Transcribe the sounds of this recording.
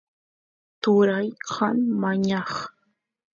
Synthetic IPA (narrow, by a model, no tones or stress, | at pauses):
t̪ʊɾajqʰɑmmaɲɑχ